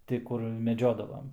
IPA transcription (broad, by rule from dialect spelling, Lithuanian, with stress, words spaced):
ˈtʲɪ ˈkʊr mʲɛˈd͡ʒʲoːdɐʋɐm